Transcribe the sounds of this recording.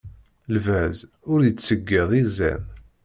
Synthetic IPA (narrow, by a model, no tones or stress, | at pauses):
lvæz | ʊɾjət͡sːəɡːiðˤizæ̰n